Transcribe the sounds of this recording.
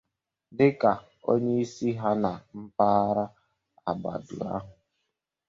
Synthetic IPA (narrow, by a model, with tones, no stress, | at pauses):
dɪ˦ka˨ | o̰˦ɲe˦i˦si˦ɦa˦na˨m̩˦paː˦ɾa˦ | a̰˨ba̰˨dʊ̰˨a̰˦ɦʊ˨